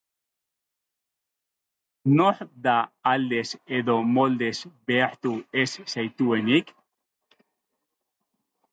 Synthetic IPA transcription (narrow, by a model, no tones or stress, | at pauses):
noħd̪aald̪eseðomold̪esbeaħt̪uessejt̪uenik